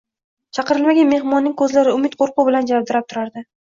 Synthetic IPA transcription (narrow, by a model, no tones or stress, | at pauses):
t͡ʃʰɑqɨɾɪlmaɡʲanme̞hmɒnːɪŋkʰɵzlaɾɪʊmɪt̪qʰoɾqʊbɪland͡ʒavɒb̚d̪ɪɾap̚t̪ʰʊɾaɾd̪ɪ